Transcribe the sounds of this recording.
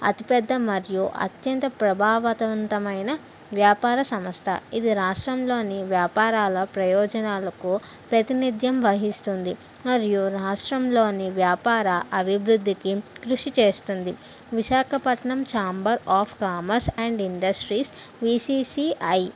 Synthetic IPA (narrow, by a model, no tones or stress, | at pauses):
ɐ̰t̪ipɛd̪ːɐmɐɾjuʔɐ̰t̪jɐnt̪ɐpɾɐbʱaːʋɐt̪ɐʋɐnt̪ɐmɐjnɐ | ʋjaːpaːɾɐsɐmɐst̪ʰɐ̰id̪iɾaːʂʈɾɐmlo̞ːniʋjaːpaːɾaːlɐpɾɐjɔːd͡ʒɐnaːlɐku | pɾɐt̪inid̪ʱjɐmʋɐɦist̪und̪i | mɐɾjuɾaːʂʈɾɐmlo̞ːniʋjaːpaːɾɐʔɐbʱibɾud̪ʱːikikɾuʂit͡ʃe̞ːst̪und̪i | ʋiʃaːkʰɐpɐʈɳɐmt͡ʃaːmbɐɾaːpʰkaːmɐɾsɐɳɖiɳɖɐsʈɾiːs | ʋisiːsiʔɐj